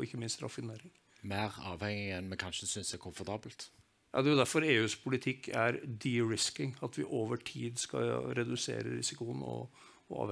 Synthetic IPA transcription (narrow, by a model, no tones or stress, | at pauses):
ɪçːəmɪnst̪ɾɑ̰fɪneːɾɪŋ | mæɪʁɑːʋhɛŋɪɛnmɛkʰɑnʂəsʏnsd̪ɛkʰʊmfɔɾt̪ʰɑːbəlt̪ | jɑ̰d̪ɛjʊd̪æɾfɔɾeːʉːspʰʊlɪt̪ʰɪkːæɾd̪iɾɪskɪŋɑt̪ʋɪʔoːʋəʈʰiːd̪skɑ̰ɾɛd̪ʉsḛːɾə̰ɾɪ̰sɪkʊənɔ̰ | ɔɑ̰ːʋ